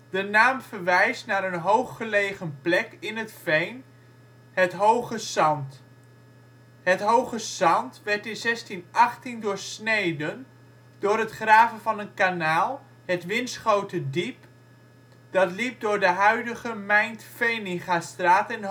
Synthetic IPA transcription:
d̥ənaːmfərʋɛjstnaːɾənɦowχːəlejχənplɛkɪnətfejn | hətɦowχəsɑnt | hətɦowχəsɑntʋɛɹtɪnzɛstinɑχtindʊːrsnejdən | dʊːɾətχraːvənvɑnənkanaːlˠ | hətʋɪnsχowtədip | d̥ɑtlip̚dʊːɹdəɦœɥdəɣəmɛjntfejnɪχastraːtɪn

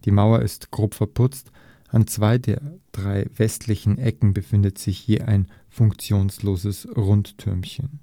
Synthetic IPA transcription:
d̥iːmaʊɐʔɪstɡ̥ʁoːpfɛɐpʰʊt͡st | ʔant͡sv̥aɪdeːɐd̥ʁaɪvɛstʰlɪçn̩ʔɛkŋ̩bəfɪndətz̥ɪçhiːɐʔaɪn | fʊŋkt͡sjoːnsloːzəsʁʊntːʰʏɐmçən

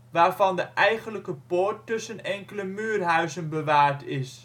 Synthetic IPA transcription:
ʋaːrvɑndəʔɛjχənləkəpoːɹtːɵsənɛŋkələmyːrɦœɥzənbəʋaːɹtʰɪs

